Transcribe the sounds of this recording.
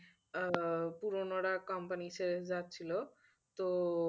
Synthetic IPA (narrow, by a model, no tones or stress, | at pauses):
puɾonoɽakɔmpanisezat̪ːt͡ɕʰilo | t̪o